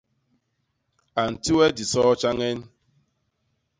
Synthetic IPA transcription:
a˨n̩˨ti˦we˦di˨sɔː˦t͡ʃa˦ŋe˦n̩˦

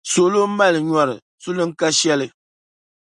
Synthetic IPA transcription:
so˨lo˦ma˦lɨ˨ɲɔ˨ɾɨ˨ | su˦lɨ˦ŋ̩˦ka˦ʃɛ˦lɨ˦

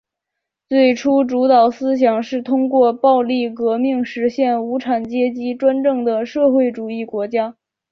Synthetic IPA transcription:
t͡swe˥˩ɪʈ͡ʂʰu˥ʈ͡ʂu˧˥t̪ɑ˨˩ʊsɹ̩˥ɕ̬jɑ˨˩ŋʂɻ̩˥˩t̪ʰʊ˥ŋkwɔ˥˧pɑ˥˧ʊli˥˩kɤ˧˥mi˥˩ŋʂɻ̩˧˥ɕjɛ˥˩nu˧˥ʈ͡ʂʰa˨˩nt͡ɕjɛ˥t͡ɕi˥ʈ͡ʂwa˥nʈ͡ʂɤ˥˩ŋd̪ə˩ʂɤ˥˧xwe˥˩ɪʈ͡ʂu˨˩i˥˩kwɔ˧˥t͡ɕja˥

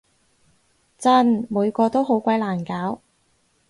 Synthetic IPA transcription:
t͡sɐ˥˩nmuː˨˧jkɔː˧t̪o˥wɦo˨˥wkʷɐ˧˥jlaː˨˩nkaː˨˥w

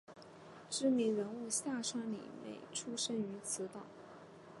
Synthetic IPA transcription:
ʈ͡ʂɻ̩˥˩mi˧˥ŋɻə˧˥nu˥˧ɕja˥˩ʂwa˥ŋlḭ˨˩mḛ˨˩ɪʈ͡ʂʰu˥ʂə˥ny˧˥t͡sʰɹ̩˧˥t̪ɑ˨˩˦ʊ

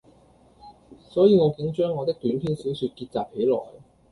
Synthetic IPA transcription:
sɔː˨˥jiː˨˧ŋɔː˨˧kɪ˨˥ŋt͡ʃœː˥ŋːɔː˨˧t̪ɪ˥k̚t̪yː˨˥npʰiː˥nsi˨˥wsyː˧t̚kiː˧t̚t͡saː˨p̚he˨˥jlɔ̰ː˨˩j

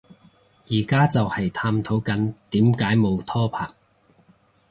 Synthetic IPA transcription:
jiː˨˩kaː˥t͡sɐ˨whɐ˨jt̪ʰaː˧mt̪ʰo˨˥wkɐ˨˥nt̪iː˨˥mkaː˨˥jmo˨˧wt̪ʰɔː˥pʰa̰ː˨˩k̚

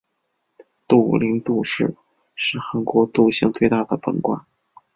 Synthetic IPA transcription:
t̪u˥˩li˧˥ŋt̪u˥˧ʂɻ̩˥˩ | ʂɻ̩˥˩xa˧˥nkwɔ˧˥t̪u˥˧ɕjɑ˥˧ŋt͡swe˥˧ɪt̪a˥˩d̪ə˩pə̰˧˩nkwa̰˨˩n

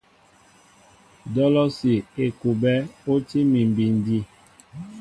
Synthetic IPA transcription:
dɔ˦lɔ˦si˨e˨ku˨bɛ˦o˦ti˦mi˨m˨bi˨n˦di˦

